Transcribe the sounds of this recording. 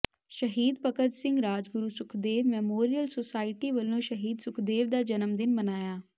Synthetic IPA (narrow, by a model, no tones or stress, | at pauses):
ʃəɦiːd̪pəkəd͡ʒ̪sɪ̃ŋɡɾaːd͡ʒɡʊɾuːsʊkʰd̪eːʋmɛːmoːɾijəlsoːsaːɪʈiːʋəlːõːʃəɦiːd̪sʊkʰd̪eːʋd̪aːd͡ʒənəmd̪ɪmmənaːjaː